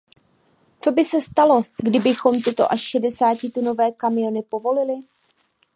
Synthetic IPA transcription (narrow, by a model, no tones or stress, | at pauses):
t͡so̞bɪsɛst̪alo̞ɡdɪbɪxo̞mt̪ɪt̪o̞̰ʔaʃʃɛdɛsaːcɪt̪uno̞vɛːkamɪjo̞nɪpo̞vo̞lɪlɪ